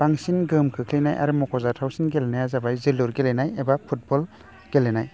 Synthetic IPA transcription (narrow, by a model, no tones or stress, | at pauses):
b̥aŋsinɡɯmkʰɯkʰlijnajʔa̰ɾɯmɔkʰɔzatʰawsinɡelenajazabajziluɾɡelenajebapʰut̚bɔl | ɡ̥elenaj